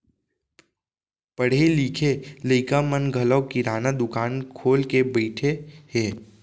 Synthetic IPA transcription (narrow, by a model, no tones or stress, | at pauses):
pəɽ̤eliːkʰeləɪkamənɡʱələwkiɾaːnad̪ʊkaːnkʰoːlkebəɪʈʰeheː